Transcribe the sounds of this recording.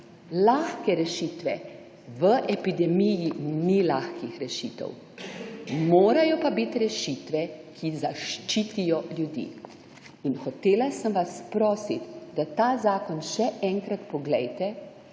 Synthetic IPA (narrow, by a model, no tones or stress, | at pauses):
laːxkɛɾɛʃiːt̪ʋɛ | ʋəʔɛpid̪ɛmijinilaxkixɾɛʃiːt̪ɛ̰w | moːɾajɔpabit̪ɾɛʃiːt̪ʋɛkʰizaʃt͡ʃiːt̪ijɔljud̪ḭː | inxɔt̪eːlasəmʋaspɾɔːsit̪d̪at̪aːzaːkɔnʃɛɛŋkɾat̪pɔɡlɛjt̪ɛ